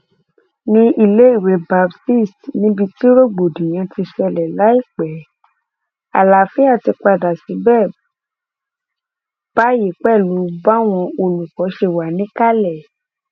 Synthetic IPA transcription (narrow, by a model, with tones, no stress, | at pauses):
nĩ˧i˧le˦i˦˨we˨˦ba˧bti˦˨stnĩ˨˦bi˧ti˦ɾo˦ɡ͡bo˨dĩ˨j̃ã˧ti˧ʃɛ˧lɛ˨la˨˦i˦˨k͡pɛ˨˦ | a̰˨la˨fi˨˦a˦˨ti˧k͡pa˧˨da˨si˨˦bɛː˦˨ | b̥a˦˨je˨k͡pɛ˦˨lu˨˦ba˦w̃ɔ̃˧o˧lu˨kɔ˨˦ʃe˧˨wa˨˦nĩ˦ka˦lɛ˦˨